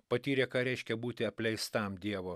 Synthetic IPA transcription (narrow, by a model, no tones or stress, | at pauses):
pɐt̪ʲiːɾʲeːkɑːɾʲɛɪʃʲkʲɛbuːt̪ʲɪɐpʲlʲɛɪst̪ɐmd̪ʲiɛʋoː